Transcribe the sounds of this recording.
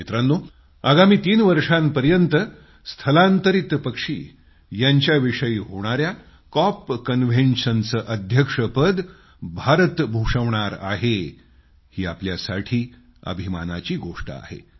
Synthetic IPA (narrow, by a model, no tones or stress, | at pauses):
mit̪ɾanːo | aɡamiːt̪iːnʋəɾʂampəɾjənt̪ə | st̪ʰəlant̪əɾit̪pəkʂiː | jaɲt͡ɕjaʋiʂəiːɦoɽ̃aɾja | kɔpkənʋ̤ʱenʂənt͡səʔəd̪ʱjəkʂəpəd̪ | bʱaɾət̪bʱuʂəʋɳ̃aɾa̰ɦe | hiːapljasaʈʰiː | ə̰bʱima̰na̰t͡ɕiːɡoʂʈəa̰ɦḛ